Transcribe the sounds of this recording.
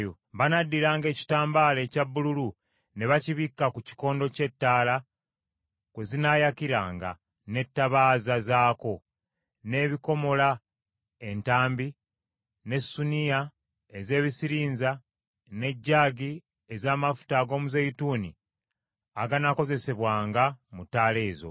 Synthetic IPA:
jo | βanadːiɾaːŋɡe̞ːci̥taːmbale̞ːcaβːululu | ne̞βaciβikːakuci̥ko̞ːndo̞ce̞tːaːla | kwezinaːjakiɾaːŋɡa̰ | ne̞tːaβaːzazaːko̞ | ne̞ːβiko̞mo̞la | e̞ntaːmbi | ne̞sunija | eze̞ːβisiɾiːnza | ne̞ɟːaːɡi | ezaːmafu̥taːɡo̞ːmuzejituːni | aɡanako̞ze̞se̞βwaːŋɡamutːaːle̞ːzo̰

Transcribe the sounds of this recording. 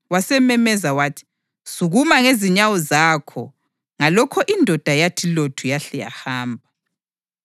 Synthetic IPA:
wasɛmɛmɛzawaːtʰi̥ | suɣumaŋeziɲawɔzaːkʰɔ̰ | ŋalɔkʰɔʔindʱɔd̥ʱajatʰilotʰujaɬɛja̰haːmbʱa

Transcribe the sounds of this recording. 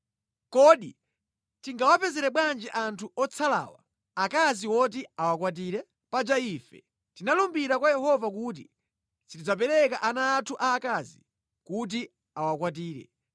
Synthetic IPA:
kɔɗḭ | tiŋɡawapɛzɛɾɛɓwand͡ʒɛʔantʰuɔt͡sʰala̰ːwa̰ | akaziwɔt̬iawakwat̬iɾɛ | pad͡ʒaiːfɛ̰ | tinalumbiɾakwajɛhɔvak̬uːt̬ḭ | sitid͡zap̬ɛɾɛkaʔanaːtʰuʔaːkazi | kut̬i | awakwat̬iːɾɛ̰

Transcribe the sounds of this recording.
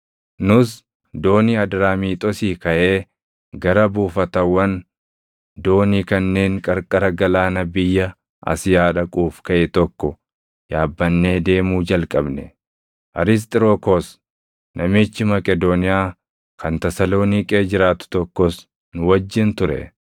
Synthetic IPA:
nʊs | d̪o̞ːniɐd̪ɾaːmiːt̪ʼɔsiːkɐʔe̞ː | ɡɐɾɐbuːfɐt̪ɐwːɐn | d̪o̞ːniːkɐnːe̞ːŋkʼɐɾkʼɐɾɐɡɐlaːnɐbɪjːɐ | ʔɐ̰sɪjaːᶑɐkʼuːfkɐʔɛt̪ɔkːɔ | jaːbːɐnːe̞ːd̪e̞ːmuːd͡ʒɐlkʼɐbnɛ | ʔɐɾɪs̬t̪ʼɪɾoːkɔs | nʔɐmɪt͡ʃːɪmɐkʼɛd̪oːnɪjaː | kʰɐnt̪ɐsɐlo̞ːnɪkʼeːd͡ʒɪɾaːt̪ʊ̥t̪ɔkːɔs | nʊwɐd͡ʒːɪnt̪ʊɾɛ̰

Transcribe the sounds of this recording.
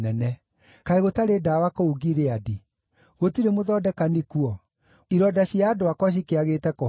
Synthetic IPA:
ɛnɛ | kaeɣotaɾedawakouɡiɾeadi | ɣotiɾemoðɔdɛkanikuɔ | iɾɔdaɕiaːdoakwɔɕ̬ikeaɣetɛko

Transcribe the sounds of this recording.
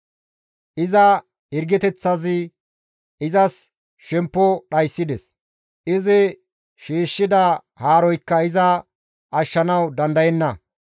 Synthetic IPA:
ʔɪzɐ | hɪɾɡɛt̪ɛt͡sːɐzɪ | ʔɪzɐs | ʃɛmpːɔɗɐjsːɪd̪ɛs | ʔɪzɪ | ʃiːʃːɪd̪ɐ | haːɾɔjkːɐɪzɐ | ʔɐʃːɐnɐwd̪ɐnd̪ɐjɛnːɐ

